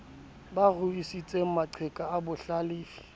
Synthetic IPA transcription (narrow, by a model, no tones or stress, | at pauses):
baɣʊisit͡sʼeŋ̩maǀʰɛkʼaːbʊɬaliːfi̥